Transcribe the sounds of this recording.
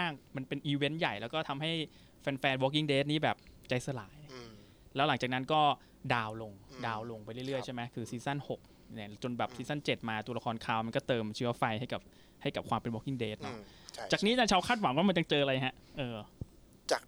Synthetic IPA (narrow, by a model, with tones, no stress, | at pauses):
aː˥˩ŋma˧npe˧nʔiː˧we˦˥nja˨˩jlɛː˦˥wkɔː˥˩t̪ʰa˧mɦa˥˩j | fɛː˧nfɛː˧nwɔː˦˥k̬ːi˥˩ŋdeː˦˥t̪̚niː˦˥bɛː˨˩p̚t͡ɕa˧jsa˧laː˨˩˦j | lɛː˦˥la˩˦ŋt͡ɕaː˨˩kna˦˥nkɔː˥˩ | daː˧wlo˧ŋdaː˧wlo˧ŋpa˧jɾɯ˥˩ɾɯ˥˩əjt͡ɕʰa˥˩jma˦˥jkʰɯː˧siː˧˦˥sa˥˩nho˨˩k̚ | na˧˩t͡ɕo˧nbɛː˨˩p̚siː˧sa˥˩nt͡ɕe˨˩t̪̚maː˧t̪u˧la˧kʰɔː˧nkʰaː˧wma˧nkɔː˥˩t̪ɤː˧mt͡ɕʰɯ˦˥ɐfa˧jha˥˩jka˨˩p̚ | ha˥˩jka˨˩p̚kʰwaː˧mpe˧nwɔː˦˥kːi˥˩ŋdeː˦˥t̪̚nɔ˦˥aː˨˩k̚niː˦˥t͡ɕa˧˥t͡ɕʰa˦˥wkʰaː˥˩wa˩˦ŋwaː˥ma˧nja˧ŋt͡ɕɤː˧ʔa˧la˧jɦa˦˥ʔʔɤː˧ | t͡ɕaː˨˩k